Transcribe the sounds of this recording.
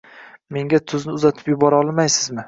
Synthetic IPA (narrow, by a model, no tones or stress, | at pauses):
me̞ŋɡʲat̪ʰʊznɪʊzat̪ʰɪ̥pjʊbɒɾɒlˠmajsɪzmɪ